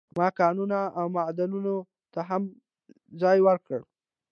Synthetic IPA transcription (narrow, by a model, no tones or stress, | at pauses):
mɑkɑnunaawmad̪anuno | t̪aɦam | zɑjwəɾkəɽ